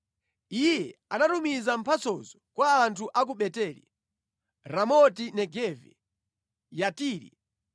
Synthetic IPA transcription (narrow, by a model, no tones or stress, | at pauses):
ijɛanatumizam̩pʰat͡sɔzɔkwaːntʰuʔak̬uɓɛtɛːlḭ | ɾamɔtinɛɡɛvɛ̰ | jatiːɾḭ